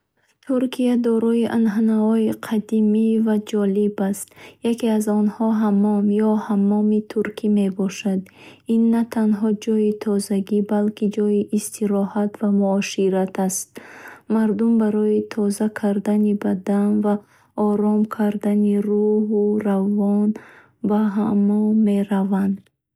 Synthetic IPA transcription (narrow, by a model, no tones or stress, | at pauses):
t̪ʰuɾkʰiad̪ɔɾɔiʔanɦanaɔiqʰad̪imivad͡ʒɔlibast̪jakeazɔnhɔɦamɔmjɔhamɔmit̪ʰuɾkʰime̞bɔʃad̪inːat̪ʰanɦɔd͡ʒɔjit̪ʰɔzaɡibalkid͡ʒɔjiʔːst̪ʰiɾɔhat̪vamuɔʃiɾat̪ʰast̪̚maɾd̪umbaɾɔit̪ʰɔzakʰaɾd̪anibad̪anva | ɔɾɔmkʰaɾd̪aniruɦuravɔn | baɦamɔːe̞ɾavand̪